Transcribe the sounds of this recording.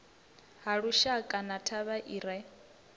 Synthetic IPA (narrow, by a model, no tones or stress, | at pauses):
haɺuʃakʼanatʰaβaʔiːɾa